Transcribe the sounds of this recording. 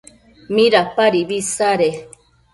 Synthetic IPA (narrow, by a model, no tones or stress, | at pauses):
miɾapaɾibisaɾe